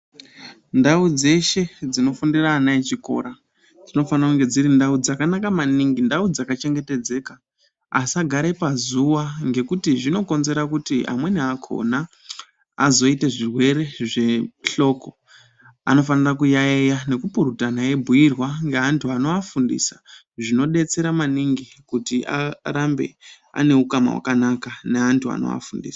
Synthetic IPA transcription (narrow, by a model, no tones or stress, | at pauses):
ndaud͡ze̞ʃe̞d͡zino̞fundiraːnaet͡ʃiko̞̰ɾa | d͡zino̞fanakuŋɡe̞d͡ziɾindaud͡zakanakamaniŋɡindaud͡zakat͡ʃe̞ŋɡe̞te̞d͡ze̞ːka | asaɡʱaɾepazuʋaŋɡe̞kutiʐino̞ko̞nze̞ɾakutiʔa̰mwe̞neakʰo̞̰naː | zo̞iteʐirwe̞ɾe̞ʐe̞ɬo̞ːko̞ | a̰no̞fanirakujaejane̞kupuɾutanae̞bʱujirwaŋɡeɦantʰuanoafundḭsḁ | ʐino̞ɗe̞t͡se̞ɾamaniŋɡi | kutiʔa̰ɾambe̞̰ | a̰ne̞ukama̰wa̰kanakane̞ɦantʰua̰no̰ʋa̰fundḭːsḁ